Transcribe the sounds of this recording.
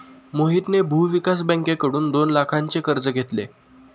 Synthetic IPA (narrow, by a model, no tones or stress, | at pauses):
moɦit̪nebʱuʋikas̬bə̃ŋkekəɽuːnd̪onlakʰaɲt͡sekəɾd͡zəɡʱet̪lḛ